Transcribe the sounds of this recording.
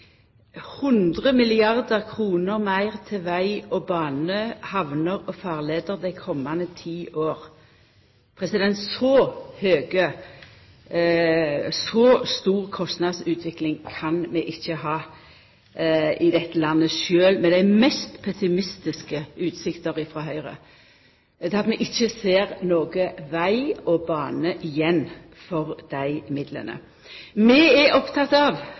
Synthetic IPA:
hʉnd̪ʁəmɪlɪɑʁd̪əʁkʰʁuːnəʁmæɪʁt̪ʰɪlʋæɪɔbɑːnəhɑʋnəʁɔfɑːʁleːd̪əʁd̪æɪkʰɔmːɑnət̪ʰiːʔoːʁ | pʰʁɛsɪd̪ɛnt̪sɔhøːɡə | sɔst̪uːʁkʰɔst̪nɑd̪sʉːt̪ʰʋɪklɪŋkʰɑnmɛʔɪçːəɦɑː | ɪd̪ɛt̪ːəlɑnːəʃøːlmɛd̪æɪmɛst̪pʰɛsɪmɪst̪ɪskəʉːt̪sɪkt̪əɾɪfɾɑːɦœʏʁə̰ | d̪ɛːɑt̪mɛʔɪçːəseːɾnoːɡəʋæɪɔbɑːnəʔɪjɛnː | fɔɾd̪̥æɪmɪd̪lə̰nə̰ | mɛɛʔɔpt̪ʰɑt̪ːɑʋ

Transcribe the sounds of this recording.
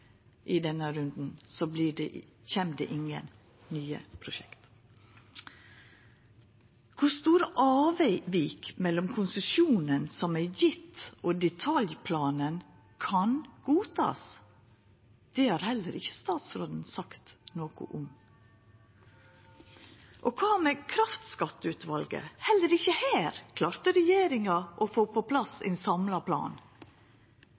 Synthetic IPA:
ʔiːd̪ɛnəɾʉnd̪n̩sɔbliːɖḛ | çeːmd̪ḛːʔɪŋə̰n | nyːə̰pʰɾʊʃɛkt̪ | kʰʊɾst̪uːɾəʔɑːʋæɪʋiːkmɛlːɔmkʰʊnsəʃjuːnənsɔmæɪjɪt̪ʔoːd̪ɛt̪ʰɑljpʰlɑːnən | kʰɑnɡ̥uːt̪ʰɑ̰ːs | d̪̥ɛːhɑːɾhɛlːəɾɪçə̥st̪ɑːt̪sɾoːd̪n̩sɑkt̪noːkʊ̰ʔʊm | ʔokʰɑːmɛkʰɾɑft̪skɑt̪ːəʉːt̪ʋɑlɡə̰hɛlːəɾɪçːəhæːɾkʰlɑːɾt̪əɾɛjeːɾɪŋɑʔɔfoːpʰopʰlɑsɛ̰ɪnsɑmlɑpʰlɑ̰ːn

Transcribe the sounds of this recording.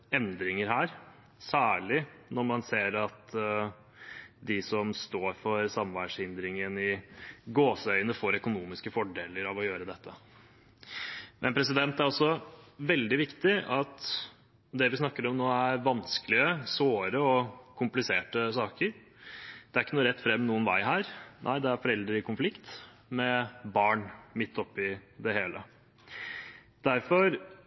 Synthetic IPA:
ɛnd̪ɾɪŋəɾɦæːɾ | sæːɭɪnɔɾmɑnseːɾɑt̪ | d̪ɪsɔmst̪oːɾfɔɾsɑmʋæʂhɪnd̪ɾɪŋənɪɡoːsəœʏnəfoːɾœkʊnuːmɪskəfɔɖeːləɾɑʋɔjøːɾəd̪ɛt̪ʰːə | mʔɛ̰npʰɾɛs̬ɪd̪ɛnt̪æɾɔsːɔʋɛld̪ɪʋɪkt̪ɪɑt̪ | d̪ɛʋɪsnɑkːəɾɔmnoːæɾʋɑnskəlɪəsoːɾəɔkʰʊmplɪseːʈəsɑːkəɾ | d̪̥ɛæɾɪkːənuːɾɛt̪ːfɾɛmːnuːənʋæ̰ɪɦæːɾnʔæ̰ɪd̪ɛæɾfɔɾɛld̪ɾəɾɪkʊnflɪkt̪ | mɛbɑːɳmɪt̪ʰːɔpːɪd̪ɛheːlə | d̪̥æɾfɔɾ

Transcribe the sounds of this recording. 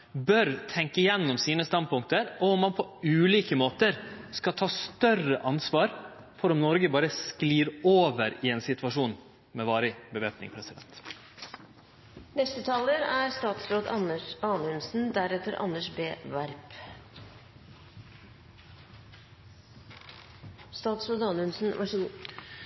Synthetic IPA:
bœɾt̪ʰɛŋkəjɛnːɔmsiːnəst̪ɑnd̪̚pʰʊŋk̚t̪əɾɔɔmːɑnpʰɔʉːliːkəmoːt̪əɾskɑt̪ʰɑːst̪œrəʔɑnsʋɑːɾ | fɔɾɔmnɔɾɡəbɑːɾəskliːɾoːʋəɾɪeːnsɪt̪ʋɑʂuːn | mɛʋɑːɾəbəʋeːpnɪ̰ŋpʰɾɛsɪd̪ɛ̰nt̪ | nɛst̪ət̪ʰɑːləɾæɾst̪ɑːt̪sɾoːd̪ɑəɑːnəʉnsn̩d̪æɾɛt̪əɾʔɑ̰nːəʂbeːʋæɾp | st̪ɑːt̪sɾoːd̪ɑnʉnsn̩ɑ

